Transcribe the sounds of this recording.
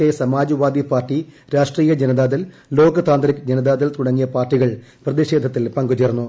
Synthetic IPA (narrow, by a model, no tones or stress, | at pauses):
esɐmaːd͡ʑɐʋaːd̪ipaːrʈːi | ɾaːʂʈriːjɐd͡ʑenɐd̪aːðɐl | lo̞ːɡɐt̪aːnd̪ɐɾɐkd͡ʑenɐd̪aːðɐlt̪uɽɐŋːijɐpaːrʈːiɣɐɭ | prɐðiʂe̞ːd̪ʱɐt̪ːilpɐŋɡut͡ɕernːu